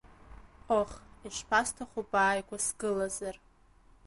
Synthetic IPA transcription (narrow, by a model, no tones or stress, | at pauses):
qoχiʃʷpʰastʰaχʷubaːjɡʷasɡɨlazar